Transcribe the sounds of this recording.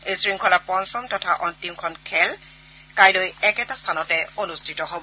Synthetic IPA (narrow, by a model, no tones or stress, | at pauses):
ejsɹiŋkʰɔlapɔnsɔmtɔtʰaʔɔntimkʰɔnkʰɛl | kajlojɛkɛtastʰanɔtɛonustʰitɔɦobɔ